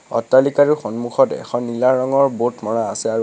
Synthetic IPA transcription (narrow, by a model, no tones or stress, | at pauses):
ɔ̰tːalikaɹixɔnmuxɔtɛ̰xɔnːilaɹɔŋɔɹbotmɔɹaːsɛaɹu